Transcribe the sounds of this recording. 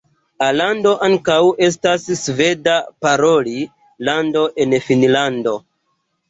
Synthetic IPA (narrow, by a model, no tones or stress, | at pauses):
alando̞ʔaŋkawe̞s̬tassve̞dapaɾo̞li | lando̞ʔe̞nfinlando̞